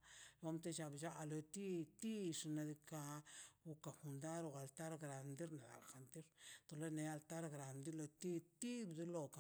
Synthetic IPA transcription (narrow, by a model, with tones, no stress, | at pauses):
o˦mt̪e˦t͡ʃa˧bd͡ʒa˦ʔa˨lo˧t̪i˦t̪i˦ʂna˧d̪i˧ka˧u˧ka˨xu˧nd̪a˦ɾo˨ɣa˨lt̪a˦ɾɡɾa˨nd̪i˦ɾna˨d̪a̰˨lxa˨nt̪i˦ɾt̪o˨le˦ne˧a˧lt̪a˦ɾɡɾa˨nd̪i˦lo˧t̪i˦t̪i˦bd̪u˦lo˧ka˨